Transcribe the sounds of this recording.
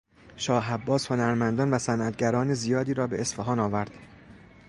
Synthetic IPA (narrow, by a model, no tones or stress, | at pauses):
ʃɒːɦæbːɒːsho̞næɾmænd̪ɒːnvæsænʔæt̪̚ʰɟæɾɒːnezijɒːd̪iːɾɒːbeesfæɦɒːnɒːvæɾd̪̥